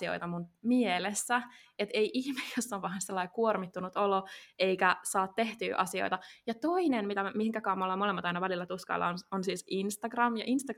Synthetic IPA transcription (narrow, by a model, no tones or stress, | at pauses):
io̰jt̪ɑmunmielesːæet̪eiʔiçmejjosːɑʋʋɑɑnselːɑikuormit̪ːunut̪oloeijkæsɑːt̪t̪e̞ht̪y̰ːʔɑ̰sio̰jt̪ɑjɑt̪o̞inenmit̪æmihiŋkækɑːmːolːɑmolemːɑt̪ɑinɑʋælilːæt̪uskɑ̰lːɑ̰ononsiːsinst̪ɑɡ̥rɑmjɑ̰ʔinst̪ɑ